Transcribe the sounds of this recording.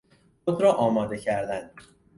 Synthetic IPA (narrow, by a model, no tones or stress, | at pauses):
xod̪ɾɒːʔɒːmɒːd̪e̞cʰæɾd̪ænd̪̥